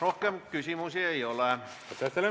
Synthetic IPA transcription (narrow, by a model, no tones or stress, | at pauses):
rohkeɑmkysimusieioleˑ | ot̪et̪ːele